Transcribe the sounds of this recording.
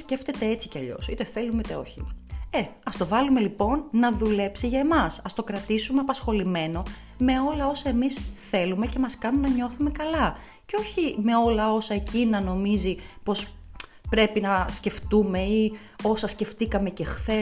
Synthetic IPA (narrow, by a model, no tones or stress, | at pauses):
sce̞ft̪e̞t̪e̞et͡si̥ceɐʎo̞̰sit̪e̞θe̞lumit̪e̞o̞̰çḭeɐst̪o̞vɐlume̞lipo̞nːɐðule̞psiʝɐemɐsɐst̪o̞kɾɐt̪isumeɐpɐsxo̞lime̞no̞ | me̞o̞lɐo̞sɐe̞misθe̞lume̞ce̞mɐskɐnumnɐɲo̞θume̞kɐlɐ | ceoçime̞o̞lɐo̞sɐe̞cinɐno̞mizipo̞s | pɾe̞pinɐsce̞ft̪ume̞i | o̞sɐsce̞ft̪ikɐme̞ce̞xθe̞